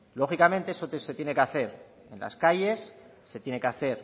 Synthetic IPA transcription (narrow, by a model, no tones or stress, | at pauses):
lo̞xikamẽ̞nt̪eesose̞t̪je̞ne̞keaθe̞ɾ | e̞̰nla̰skaje̞sː | e̞t̪je̞ne̞keaθe̞ɾ